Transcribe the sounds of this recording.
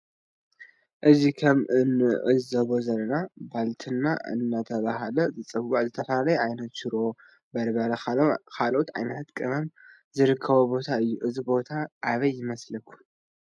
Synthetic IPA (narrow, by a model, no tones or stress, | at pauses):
ʔɨzikʰɐmɨnːɨʕɨzɐβo̞zɐlːɐnabalt̪ʰɨnːaɨ̰nːat̪ʰɐβaɦalɐzɨt͡sʼɨwːaʕzɨt̪ʰɐfɐlalɐjʕajnɐt̪ʃɪɾo | bɐɾbɐɾɐkʰalʔot̪ʕa̰jnɐt̪ʰat̪kʼɨmɐm | zɨɾɨkʰːɐβobo̞t̪ʰaɨjːuʔɨzibo̞t̪ʰaʔaβɐjːɪmɐslɐkʰːu̥